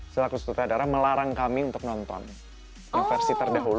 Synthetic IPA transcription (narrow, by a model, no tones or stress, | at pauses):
səlakust̪ut̪adaɾaməlaɾaŋkamiunt̪ʊk̚nɔnt̪ɔ̰n | infɛrsit̪ərdaɦul